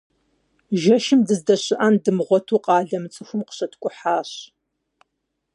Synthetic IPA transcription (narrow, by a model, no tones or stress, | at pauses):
ʒɐʃɪmdɨzdɐɕɪʔandɨmʁʷɔtʰuːqʼɑːɮɐmɨt͡sʼɨxʷʊmqə̥ɕɐtʰkʷʼʊħaːɕ